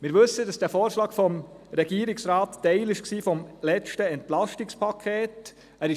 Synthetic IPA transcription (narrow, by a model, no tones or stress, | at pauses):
mɪːɾʋɵsədɑsd̥æːfoːɾʃlɑːkfɔm | ɾɛɡ̥iəɾɪksɾɑːtːɛɪlɪʃksiːfɔmlɛt͡ʃtəɛntlɑʃtɪkspʰɑkʰeːt | æːɾɪ